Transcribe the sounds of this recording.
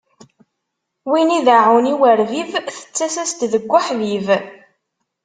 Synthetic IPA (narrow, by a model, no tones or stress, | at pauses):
winiðaʕuniwəɾvivθə̥t͡sːæsæst̪ðəɡʷːʊħðiv